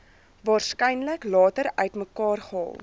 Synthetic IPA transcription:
vɑːrskɛjnləklɑːtəɾœ̰ɥtməkɑːrχəɔ̰lˠ

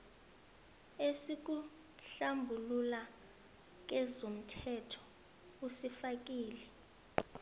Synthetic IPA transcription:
esik̬u | ɬambʱulula | k̬ɛzom̩tʰɛtʰɔ̥ | usifak̬ʼiːlɛ

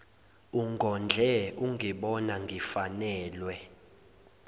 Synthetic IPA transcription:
uŋɡʱɔnd͡ɮʱɛuŋɡʱiɓɔnaŋɡʱifanɛːlwɛ

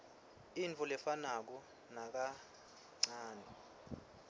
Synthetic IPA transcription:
int͡fʰʼulɛfanak̬ɔ | nak̬a | ŋ͡ǀaːnɛ

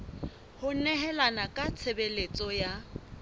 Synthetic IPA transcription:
hʊnɛɦɛlanakʼat͡sʰebelet͡sʼɔja

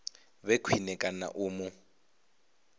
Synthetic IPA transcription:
βekʰwinɛkʼana̰ʔuːmʊ

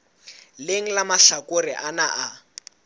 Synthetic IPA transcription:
leŋ̩lamaɬakoriʔanaʔa

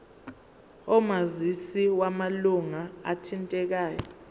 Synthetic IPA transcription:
ɔmazisiwamaluŋaa̰tʰintʼɛk̬aːjɔ

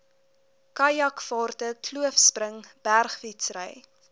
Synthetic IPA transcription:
kɐjɐkfɑːrtəkluəfsprəŋb̥ærχfitsrə̰j

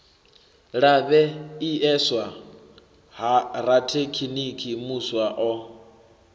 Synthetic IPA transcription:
ɺaβɛiɛswa | ɦaɾatʰekʰinikʰimuswaʔɔ

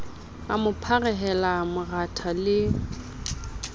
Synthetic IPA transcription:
a̰mʊpʰarɛɦɛlamʊratʰalɪ

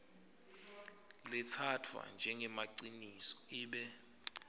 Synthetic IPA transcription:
lɛtʰatʰwa̰nd͡ʒʱɛŋɡʱɛmaǀinisɔ̥iːɓɛ

